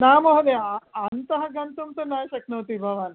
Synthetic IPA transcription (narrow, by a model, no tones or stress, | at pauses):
namoɦd̪eaant̪ɐɦɐɡɐnt̪umt̪ənajɕɐknɐːt̪ibʱaʋan